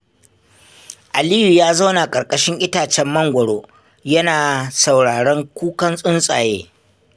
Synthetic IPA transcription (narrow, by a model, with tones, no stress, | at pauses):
ʔa˨liː˦ju˨jaː˦za˦wna˨kʼɐ˨ɾkʼɐ˦ʃɪ˦ŋʔɪ˦taː˨t͡ʃɛ˦mːɐ˦ŋɡʷɐ˨ɽoː˦ | jɐ˦naː˨sa˨wɽaː˨ɽɛ˦ŋkʷuː˦kɐ˦nsʼʊ˦nsʼaː˨jeː˦